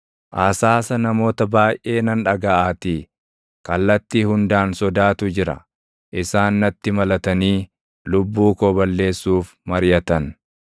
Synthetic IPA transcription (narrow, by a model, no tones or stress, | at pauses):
ʔaːsaːsɐnɐmo̞ːt̪ɐbaːjʔʔe̞ːnɐnᶑɐɡɐʔaːt̪iː | kɐlːɐt̪ːiːhʊnd̪aːnsɔd̪aːt̪ʊd͡ʒɪɾɐ̰ | ʔɪsaːnːɐt̪ːɪmɐlɐt̪ɐniː | lʊbːuːkoːbɐlːe̞ːsːuːf | mɐɾjɐt̪ɐn